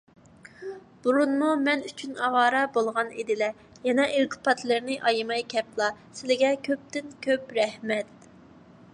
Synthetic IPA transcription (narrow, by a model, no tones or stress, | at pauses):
b̥uɾunmumɛnyt͡ʃʰynɑwɑːɾɑbolˠʁɑnid̪ɪlɛ | jɛnɛʔelt̪ʰɨ̥pʰɑt̪lˠɨɾnɪʔɑjmɑjkʲʰɛplˠɑsɪlɪɡʲɛkʲʰøp̚t̪ɪnkʲʰøpɾɛhmɛt̪̚